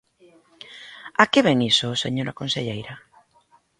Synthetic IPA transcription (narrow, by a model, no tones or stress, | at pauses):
akeβɛŋisosḛɲoɾakonseʎejɾa